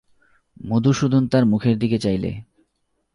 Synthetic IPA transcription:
mod̪ʱuʃud̪ʱont̪aɾmukʰeɾd̪iket͡ɕajlḛ

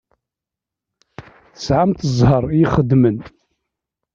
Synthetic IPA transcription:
θə̥sʕamt̪əzˤhəɾˤjiχəd̪mən

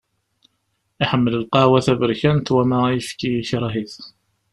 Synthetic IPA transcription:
iħəmːələlqɑwæθævəɾçænt̪wæmæjəfkijiçɾˤɑɦiθ

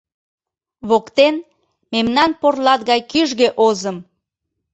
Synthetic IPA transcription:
βokt̪en | memnɑnporlɑt̪̚ɣɑjkyʒɣeʔozəm

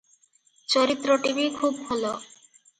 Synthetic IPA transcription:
t͡ɕɔɾit̪ːɾoʈibikʰubɦolo

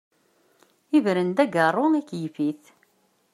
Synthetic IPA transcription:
ivɾənd̪æɡərˤːʊnækːjəfiθ

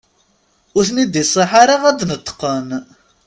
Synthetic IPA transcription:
ʊɾθnid̪isˤːiħaɾaʁæd̪nət̪ːə̥qːən

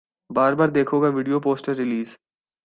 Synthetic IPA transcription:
baːɾbaːɾd̪eːkʰoːɡaʋɪɖijopoːsʈəɾːɪliːz

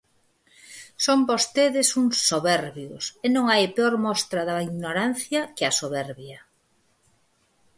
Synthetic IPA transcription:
sombost̪eðɪsuŋsoβɛɾβjʊsenõŋajpeoɾmɔst̪ɾɐðɐiɣnoɾanθjɐkɪɐsoβɛɾβjɐ

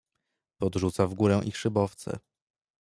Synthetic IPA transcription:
pɔd̪ʐut̪savɡuɾɛw̃ʔixʂɘbɔft̪sɛ̰

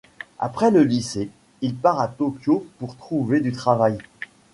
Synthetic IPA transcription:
a̰pχɛləlise | ilpaʁat̪ɔkʲjopuʁt̪χuved̪yt̪χavaj

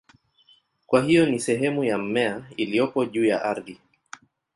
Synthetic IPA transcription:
kwaɦijɔnisɛɦɛmujam̩mɛailiɔpɔʄuːjaʔaɾði

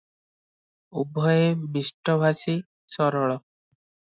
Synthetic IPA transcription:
ubʱɔjemisʈɔbʱasi | sɔɾɔɭɔ

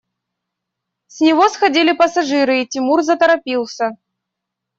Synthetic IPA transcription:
sʲnʲiɣɔsxad͡zʲilʲipɐsaʐɨɾɨit͡sʲimurzɐt̪ɐɾapʲiw̪ˠsʲɐ

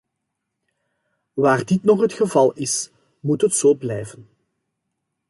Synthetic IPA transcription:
ʋaːrdɪtnɔχɦətxəvɑlˠɪs | mutɦətsoːblɛjvən

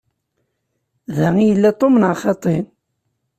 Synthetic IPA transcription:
ðæijəlːæt̪ˤːomənʕaχɑt̪ˤen

